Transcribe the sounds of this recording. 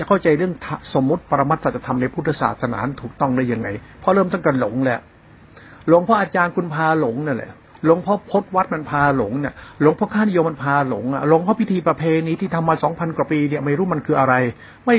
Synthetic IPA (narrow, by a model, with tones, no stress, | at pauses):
jaː˧˩kʰa˥˩wt͡ɕa˧jɾɯ˥˩əŋt̪ʰa˧˩so˨˩˦mːu˦˥t̪̚pa˧ɾa˧ma˦˥t̪̚sa˨˩a˧t̪ʰa˧mna˧jpʰu˥˩a˧˩sa̰ː˨˩t̪̚sʰa˧na̰ː˩˦nt̪ʰuː˨˩k̚t̪ɔ˥˩ŋdaː˥˩ja˧ŋːa˧jpʰɔ˦˥ɾɤː˥˩mt̪ɔ˥˩ŋka˧nlo˨˩˦ŋlɛ˦˥ʔ | lo˨˩˦ŋpʰɔ˦˥ʔaː˧t͡ɕaː˧nku˧npʰaː˧lo˨˩˦ŋni˥˩lɛ̰˦˩ | lo˨˩˦ŋpʰɔ˦˥pʰo˦˥t̪̚wa˦˥t̪̚ma˧npʰaː˧lo˩˦ŋni˦˥˩ɐlo˨˩˦ŋpʰɔ˦˥kʰaː˥˩ni˦˥jo˧ma˧npʰaː˧lo̰˩˦ŋʔa̰˧˩lo˨˩˦ŋpʰɔ˦˥wʰi˦˥t̪ʰiː˧pɾa˧pʰeː˧niː˦˥t̪ʰiː˥˩a˧mːaː˧sɔː˩˦ŋpʰa˧nkwaː˨˩piː˧ni˥˩ɐma˧˩jɾuː˦˥ma˧nkʰɯː˧ʔa˧ɾa˧j | ma˥˩j